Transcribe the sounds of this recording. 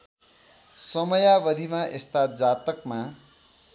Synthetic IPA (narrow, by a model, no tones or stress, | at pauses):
sʌmʌjabʌd̪ʱimaʔest̪ad͡zat̪ʌkma